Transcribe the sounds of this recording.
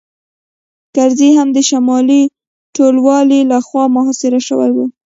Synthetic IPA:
kaɾziɦamd̪əʃamɑli | ʈolwɑlilaxwɑmʊɦɑsɪɾaʃəwa̰jwe

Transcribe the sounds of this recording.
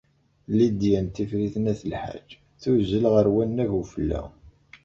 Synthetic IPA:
lid̪jænt̪ifɾiθənæθəlħa̰d͡ʒ | θuzəlʁəɾwænːævufəlːæ̰

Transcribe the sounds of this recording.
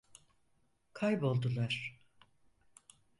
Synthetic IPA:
kʰajbo̞lˠd̪ulˠaɾ̥

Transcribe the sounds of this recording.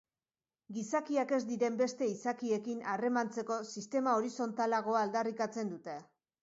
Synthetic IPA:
ɡisakiake̞zd̪iɾe̞mbe̞st̪e̞isakie̞kinare̞mant͡se̞ko̞sist̪e̞mao̞ɾiso̞nt̪alaɣ̞o̞aːld̪arikat͡se̞nd̪ut̪e̞

